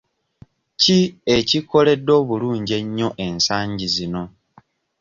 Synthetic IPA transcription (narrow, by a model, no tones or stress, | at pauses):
cie̞ciko̞le̞dːo̞ːβuluːɲɟe̞ɲːo̞ʔe̞nsaːɲɟizino̞